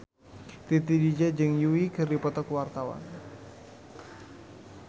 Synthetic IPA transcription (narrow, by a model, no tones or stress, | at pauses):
t̪it̪idid͡ʒad͡ʒəŋjuikɨrdipɔt̪ɔkwart̪awa̰n